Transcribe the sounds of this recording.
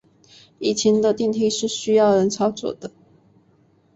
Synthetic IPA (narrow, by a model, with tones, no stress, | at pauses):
i˨˩t͡ɕʰi˧˥ŋd̪ə˧t̪i˥˧˨ŋt̪ʰi˥˧ʂɻ̩˥˩ɕy˥jɑ˥˩ʊɻə˧˦nt͡sʰɑ˥ʊt͡swɔ̰˨˩d̪ə˦